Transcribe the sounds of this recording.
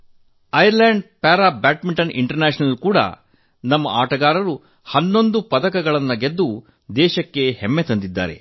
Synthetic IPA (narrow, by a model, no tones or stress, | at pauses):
ɐjɐɾleːɳɖpaːɾaːbaːʈmiɳʈɐnʔḭɳʈɐɾnaːʃinɐlkuːɽɐ̰ | nɐmːɐ̰ʔa̰ːʈɐɡaːɾɐɾu | hɐnːo̞nd̪upɐd̪ɐkɐɡɐɭɐnːɐɡe̞d̪ːu | d̪ɛːʃɐkːe̞hemːet̪ɐnd̪id̪ːa̰ːɾe̞̰